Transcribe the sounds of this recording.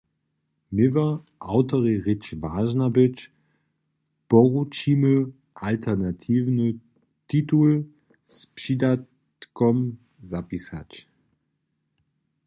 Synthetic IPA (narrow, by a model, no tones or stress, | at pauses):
mɪvə | ʔaʊtɐʁiʁɪt͡ʃvaːʒnabɪt͡ʃ | b̥ɔʁut͡ʃiːmə | ʔaltʰɛʁnatʰiːvnə | titul | spʃidat | kɔm | zapisa̰t͡ʃ